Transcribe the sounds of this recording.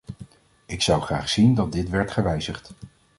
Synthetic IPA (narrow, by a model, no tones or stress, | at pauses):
ɪksɑwχraːχsindɑt̚dɪtʋɛɹtχəʋɛjzəχt